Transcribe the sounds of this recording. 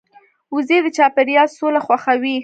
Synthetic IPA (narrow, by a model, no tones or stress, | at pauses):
uzed̪ət͡ʃɑpeɾjɑsolaxwaxawi